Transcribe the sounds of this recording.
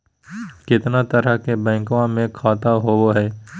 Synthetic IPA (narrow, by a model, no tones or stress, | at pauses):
kɪt̪nat̪əɾəkebɛ̃ːŋkʋãmẽkʰaːt̪aɦooɦɛː